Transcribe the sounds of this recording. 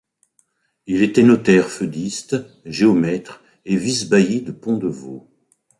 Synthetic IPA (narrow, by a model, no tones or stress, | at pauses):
ilet̪ɛnɔt̪ɛʁfød̪ist̪ | ʒeɔmɛt̪χ | evisbajid̪əpɔ̃d̪əvo